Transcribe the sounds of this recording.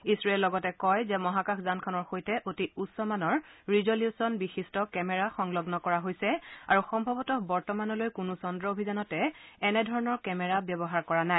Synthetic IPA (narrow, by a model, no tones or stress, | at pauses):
isɹɔelːɔɡɔtɛkɔjzɛmɔɦakaxʰzankʰɔnɔɹxojtɛʔotiusɔmanɔɹɹizoljusɔnbixistɔkɛmɛɹaxɔŋlɔɡnɔkɔɹaɦojsɛaɹuxɔmbʱɔbɔtɔbɔɹtɔmanɔlojkʊnusɔndɹɔobʱizanɔtɛɛnɛdʱɔɹɔnɔɹkɛmɛɹabjɔbɔɦaɹkɔɹanaj